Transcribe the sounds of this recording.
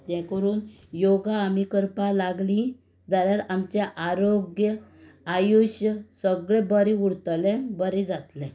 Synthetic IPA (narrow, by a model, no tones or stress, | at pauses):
t̪jɛ̃kəɾuːn | joɡaːmikəɾpalaɡlĩ | d͡zaɾjaɾamt͡ɕaʔaɾoɡjəajuɕjəsəɡɭɛ̃bəɾĩuɽt̪lɛ̃bəɾĩd͡zat̪lɛ̃